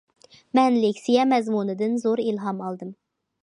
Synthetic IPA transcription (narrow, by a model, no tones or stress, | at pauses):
mɛnlɪkʲsijɛmɛzmunɨd̪ɨnzoɾilɦɑmɑlˠd̪ɨm